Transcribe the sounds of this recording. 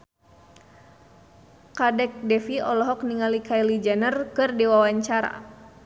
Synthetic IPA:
kadɛk̚dɛfiɔlɔɦɔk̚niŋalikailid͡ʒanərkɨrdiwawaɲt͡ʃaɾa̰

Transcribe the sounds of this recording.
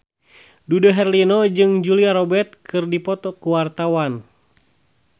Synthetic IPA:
dudaɦɛrlinɔd͡ʒɨŋd͡ʒuliaɾɔbɛt̪̚kʰɨrdipɔt̪ɔkuwart̪awan

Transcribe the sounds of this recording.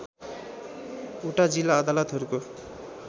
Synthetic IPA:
uʈad͡zilːaːd̪alʌt̪ɦʌɾuko

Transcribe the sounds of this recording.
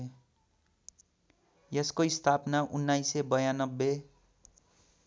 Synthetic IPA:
jeskoist̪ʰapnaʔunːajsebʌjanʌbːe

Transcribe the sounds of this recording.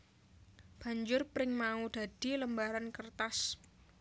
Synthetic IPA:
b̥a̤ɲd͡ʒʊrpɾɪŋmaud̪̥a̤d̪̥i̤ləmbaɾankərt̪as

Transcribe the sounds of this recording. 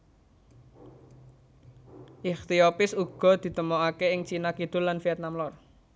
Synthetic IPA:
ʔixt̪iopɪsuɡ̥ɔ̤d̪̥i̤t̪əmoakeɪŋt͡ʃinakiɖ̥ʊ̤lːanfiɛt̪̚namlɔr

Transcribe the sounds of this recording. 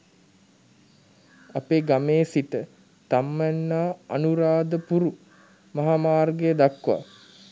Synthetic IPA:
apeːɡameːsit̪ə | t̪amːænːaːanuɾaːd̪əpuɾu | maɦaːmaːrɡejəd̪akːʋa̰

